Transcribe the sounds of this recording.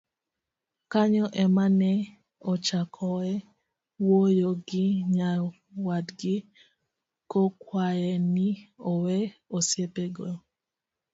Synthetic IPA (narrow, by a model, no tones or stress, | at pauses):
kaɲɔʔɛmanɛ | ɔt͡ʃakʰɔɛ | wojoɡɪɲa | wadɡɪ | kokwajɛniɔwɛosjepeɡo